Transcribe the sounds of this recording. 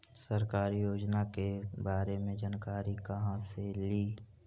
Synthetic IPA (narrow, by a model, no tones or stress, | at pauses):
səɾkaːɾijoːd͡ʒnakebaːɾemẽd͡ʒaːnkaːɾikɐɦãseliː